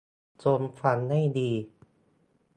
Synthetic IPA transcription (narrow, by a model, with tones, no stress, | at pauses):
t͡ɕo˧nfa˧nːa˥˩jdiː˧